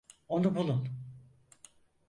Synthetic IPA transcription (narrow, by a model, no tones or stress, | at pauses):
onubulˠun